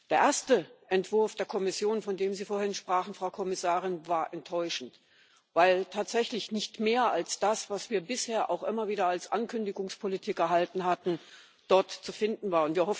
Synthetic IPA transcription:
d̥eːɐʔeːɐstəʔɛntv̥ʊɐfd̥eːɐkʰɔmɪsjoːnfɔndeːmziːfoːɐɪnʃpʁ̥aːχn̩fʁ̥aʊkʰɔmɪsaːʁɪnvaːɐʔɛntʰːɔʏʃn̩t | vaɪltʰaːtz̥ɛçlɪçnɪçtmeːɐʔalsd̥asv̥asv̥iːɐbɪsheːɐʔa̰ʊxʔɪmɐviːdɐalsʔankʰʏndɪɡʊŋspʰolitʰiːkɛɐɦaltn̩ɦatn̩ | d̥ɔɐtt͡sufɪndn̩vaːɐʊntviːɐɦɔf

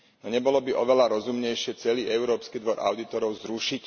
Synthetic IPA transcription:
nɔɲɛbɔlɔbiʔɔʋɛlaɾɔzumɲɛjʃɪɛt͡sɛliːɛʊɾɔːpskiːd̪ʋɔɾʔa̰ʊd̪it̪ɔɾɔʊzɾuʃic

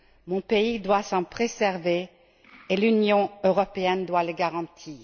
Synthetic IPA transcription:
mɔ̃peid̪wasɑ̃pχezɛʁveː | lynjɔ̃øʁɔpeɛnd̪waləɡaʁɑ̃t̪ʰiːʁ

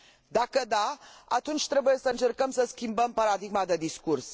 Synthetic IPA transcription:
d̪akəd̪aa̰t̪unt͡ʃʲt̪ɾe̞buje̞səɨnt͡ʃe̞rkəmsəskʲimbəmpaɾad̪iɡmad̪e̞d̪iskurs

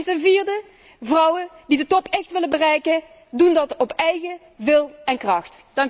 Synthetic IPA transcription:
ntənviːrdə | vrʌwədidətɔpʰɛxtʋɪlənbərɛjkə | dundɑtɔpɛjɣə | ʋɪlˠɛnkrɑxtd̥ɑŋ

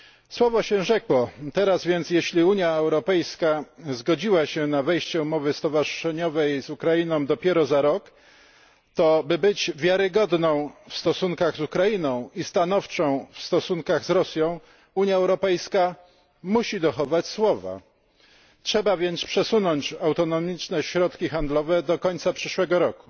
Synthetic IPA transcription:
swɔvɔɕɛ̃ʐɛkwɔt̪ɛɾazvʲjɛnt̪sʲjɛɕlʲiuɲjaɛwɾɔpɛjskazɡɔd͡ʑiwaɕɛnavɛjɕt͡ɕɛumɔvɘst̪ɔvaʐɘʂɛɲɔvɛjzukɾajinɔ̃w̃d̪ɔpʲjɛɾɔzaɾɔk | t̪ɔbɘbɘd͡ʑvʲjaɾɘɡɔd̪nɔ̃w̃fst̪ɔsuŋkaɣzukɾajinɔ̃w̃ist̪anɔft͡ʂɔ̃w̃fst̪ɔsuŋkaɣzɾɔsʲjɔ̃w̃ | uɲjaɛwɾɔpɛjska | muɕid̪ɔxɔvat͡ɕswɔva̰ | tʂɛbavʲjɛnt̪spʂɛsunɔɲt͡ɕawt̪ɔnɔmʲit͡ʂnɛɕɾɔt̪kʲixand̪lɔvɛd̪ɔkɔɲt̪sapʂɘʂwɛɡɔɾɔku̥

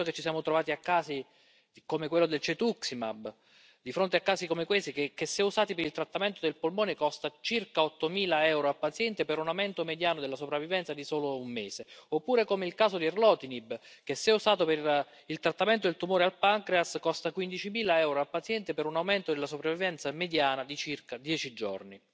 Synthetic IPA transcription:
oket͡ʃːisjaːmot̪ɾovaːt̪iakːaːsi | komekwelːod̪elt͡ʃet̪uksima̰b | d̪ifɾont̪eakːaːsikomekwest̪ikekesːeusaːt̪ipeɾilt̪ɾat̪ːament̪od̪elpolmoːnekɔst̪at͡ʃirkaɔt̪ːomiːlaɛwɾoapːat̪sjɛnt̪epeɾunawmɛnt̪omed̪jaːnod̪elːasopɾavːivɛnt̪sad̪isoːloumːeːseopːuːɾekomeilkaːsod̪irlɔːt̪inibk̟esːeusaːt̪ope | ilt̪ɾat̪ːamɛnt̪̬od̪elt̪umoːɾealpaŋkɾeaskɔst̪akwind̪it͡ʃimiːlaɛwɾoapːat̪sjɛnt̪epeɾunawmɛnt̪od̪elːasopɾavːivɛnt̪samed̪jaːnad̪it͡ʃirkad̪jɛːt͡ʃid͡ʒo̰rni

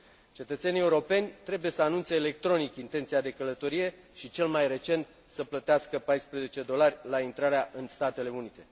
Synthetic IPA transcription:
t͡ʃe̞t̪ət̪se̞nie̞uɾo̞pe̞nʲt̪ɾe̞buje̞səanunt̪seːle̞k̚t̪ɾo̞nikint̪ent̪siad̪e̞kələt̪o̞ɾije̞ | ʃit͡ʃe̞lmajre̞t͡ʃe̞nt̪ | səplət̪easkəpajspɾeze̞t͡ʃe̞d̪o̞larʲlaint̪ɾaɾeaʔɨnst̪at̪e̞le̞unit̪e̞

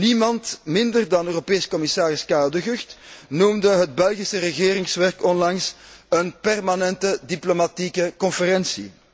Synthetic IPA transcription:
nimɑntmɪndərdɑnøːropeːskɔmɪsaːɾɪskaːlˠdəɣʏxtnumdəɦəd̚bɛlˠɣisərəɣeːɾɪŋsʋɛrkɔnlɑŋsənpɛrmanɛntədiplomatikəkɔnfəɾɛnsḭ

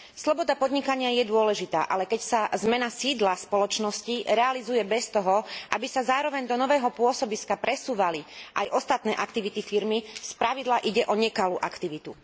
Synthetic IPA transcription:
slɔbɔd̪apɔd̪ɲikaɲɪajɛd̪ʊɔlɛʒit̪a̰ːʔalɛkɛcsazmɛnasiːd̪laspɔlɔt͡ʃnɔsciɾɛalizujɛbɛst̪ɔɦɔʔa̰bisazaːɾɔʋɛɲd̪ɔnɔʋɛːɦɔpʊɔsɔbiskapɾɛsuːʋaliʔajʔɔst̪at̪nɛːʔakt̪iʋit̪ifiɾmispɾaʋid̪laʔiɟɛʔɔɲɛkaluːʔakt̪iʋit̪u

